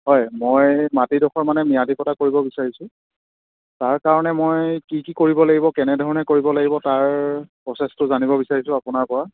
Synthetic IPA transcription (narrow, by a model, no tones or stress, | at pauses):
ɦɔjmojmatidɔxɔɹmanɛmijadʱikɔtakoɹibɔbisaɹisʊ̃ | taɹkaɹɔnɛmojkikikoɹibɔlaɡibɔkɛnɛdʱɔɹɔnɛkoɹibɔlaɡibɔtaɹpɹɔsɛstʊzanibɔbisaɹisʊ̃apʊnaɹpɔɹa